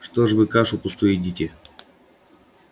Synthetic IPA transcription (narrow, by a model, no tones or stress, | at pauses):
ʂt̪oʐvɨkaʂʊpʊst̪ujɪdʲitʲɪ